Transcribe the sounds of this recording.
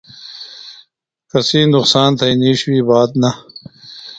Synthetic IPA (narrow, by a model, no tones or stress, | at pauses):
kɐsiːnd̪uqsaːnt̪ʰɐiniːɕwiːbaːd̪nɐ